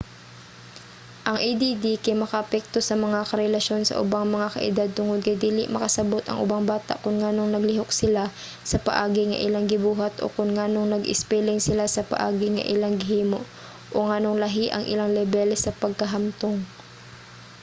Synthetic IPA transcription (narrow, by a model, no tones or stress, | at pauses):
ʔɐŋʔɛjd̪id̪ikɐjmɐkɐʔɐpɛk̚t̪o̞sɐmɐŋakɐɾɛlɐʃo̞nsɐ̰ʔʊ̰baŋmɐŋakɐ̰ʔɪ̰d̪ad̪̚t̪ʊŋo̞d̪̚kɐjd̪iːlɪʔmɐkɐsɐbo̞t̪ɐ̰ŋʔʊ̰baŋbaːt̪a̰ʔkʊnŋaːno̞ŋnɐɡlɪɦok̚sɪla | sɐpɐʔaːɡɪŋɐ̰ʔɪ̰laŋɡɪbuːɦɐt̪ʔo̞̰kʊnŋaːno̞ŋnɐɡʔɪ̰spɛlɪŋsɪlasɐpɐ̰ʔaːɡɪŋɐ̰ʔɪlaŋɡɪɦiːmoʔ | ʔoŋano̞ŋlɐɦiʔɐ̰ŋʔɪ̰laŋlɛbɛlsɐpɐɡ̚kɐɦɐmt̪oŋ